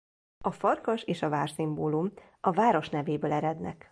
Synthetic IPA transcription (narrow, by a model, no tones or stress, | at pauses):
ɒfɒrkɒʃeːʃɒvaːrsimboːlum | ɒvaːɾo̞ʃnɛveːbøːlɛɾɛd̪nɛ̰k